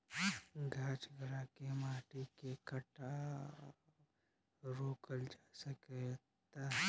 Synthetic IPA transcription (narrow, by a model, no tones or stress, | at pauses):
ɡʱaːt͡ʃɡɾakemaːʈikekəʈa | ɾoːkəld͡ʒaːsəke | t̪aɦ